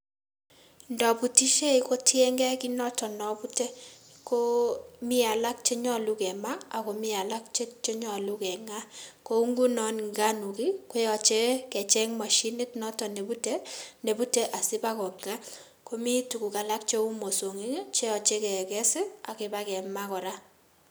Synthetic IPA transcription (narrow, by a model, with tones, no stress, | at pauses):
ndɔ˨bu˨ti˦ʃe˦i˨ko˦tʰje˦ŋɡɛ˦ki˦nɔ˦tɔ˨nɔ˨bu˦te˦ko˦mɪ˦a˨la˦k̚t͡ʃe˦ɲɔ˦˨lu˦kɛ˨ma˦a˨ko˨mɪ˦a˨la˦k̚t͡ʃe˦t͡ʃe˦ɲɔ˨lu˦kɛ˨ŋa˦ko˦u˦ŋɡu˦nɔ˨˦nŋɡa˦nu˨ki˦ko˦jɔ˨t͡ʃe˦kɛ˨t͡ʃɛ˦ŋma˨ʃi˦nɪ˦tnɔ˦tɔ˨ne˨bu˦te˦ne˨bu˦te˦ʔa˨sɪ˦ba˦kɔ˨kŋa˦ | ko˦mi˦tu˨ku˨ka˨la˦k̚t͡ʃe˦u˦mo˨so˨ŋi˦ŋe˦t͡ʃe˦jɔ˨t͡ʃe˦kɛ˨kɛ˦sɪ˦a˨kɪ˦ba˦kɛ˨ma˦kɔ˨ɾa˦